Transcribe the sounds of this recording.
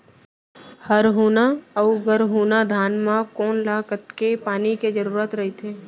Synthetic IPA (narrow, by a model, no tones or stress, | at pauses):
həɾɦuːnaɔːɡəɾɦuːnad̪ʱaːnmãkɔːnlaːkət̪kepaːniked͡ʒəɾuːɾət̪ɾɐɦet̪ʰeː